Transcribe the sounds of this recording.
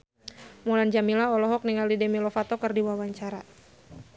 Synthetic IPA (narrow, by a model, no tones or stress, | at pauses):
mɔland͡ʒamilaɔlɔɦɔk̚niŋalidɛmilɔfat̪ɔkɨrdiwawaɲt͡ʃaɾa